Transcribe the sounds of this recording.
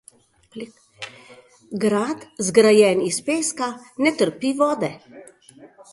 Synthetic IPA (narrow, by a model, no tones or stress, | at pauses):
ɡɾat̪zɡɾajɛnispeːskanɛt̪əɾpiʋɔːd̪ɛ